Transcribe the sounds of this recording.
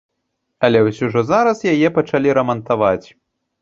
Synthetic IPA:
ɐlʲɛwsʲuʐɔzaɾɐsjajɛpɐt͡ʂalʲiɾɐmɐnt̪avat͡sʲ

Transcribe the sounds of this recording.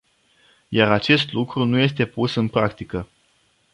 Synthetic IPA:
jaɾat͡ʃe̞st̪lukɾunuje̞st̪e̞pusɨnpɾakt̪ikə

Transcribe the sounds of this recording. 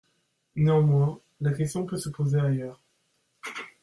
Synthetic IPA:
neɑ̃mwɛ̃ | lakʲɛst̪jɔ̃pøsəpozeajœːʁ

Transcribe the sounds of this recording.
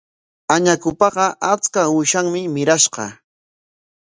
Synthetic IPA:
aɲakʊpɑɢɑʔat͡skawʊʃaŋmɪmɪɾaʃɢɑ̰

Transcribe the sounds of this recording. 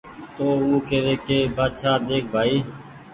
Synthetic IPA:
t̪oːuːkeːɾeːkeːbaːt̪ʃaːd̪eːk̚ʰbʱaːiː

